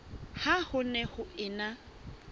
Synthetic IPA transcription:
hahʊnɛhʊɪːna

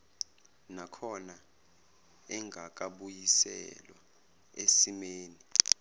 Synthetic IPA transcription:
nakʰɔna | ɛŋɡʱak̬ʼaɓujisɛ̰lwa̰ | esimeːni

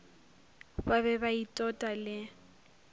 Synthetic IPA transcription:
baβɛbaitʼɔtʼalɪ

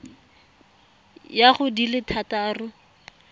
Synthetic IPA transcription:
jaχʊdilɪtʰataːrʊ

